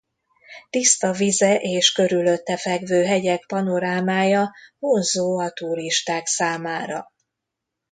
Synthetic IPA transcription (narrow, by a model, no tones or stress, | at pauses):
t̪ist̪ɒvizɛʔeːʃkø̞ɾylø̞t̪ːɛfɛɡvøːɦɛɟɛk̚pɒno̞ɾaːmaːjɒmonzoːɒt̪uɾiʃt̪aːksaːmaːɾɒ̰